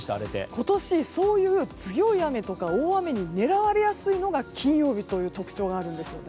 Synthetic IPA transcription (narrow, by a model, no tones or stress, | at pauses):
t̪ea̰ɾet̪ḛkʰo̞t̪o̞ɕiso̞ːjɯ̟ːt͡sɨjo̞iame̞t̪o̞kaoːame̞ɲ̟ine̞ɾaβaɾe̞jasɨino̞ɡakʲʰĩɰ̃jo̞ːbʲit̪o̞jɯ̟ːt̪o̞kɯ̟̥t͡ɕo̞ːɡaːɾɯ̟̃nd̪e̞sɨjo̞̰ne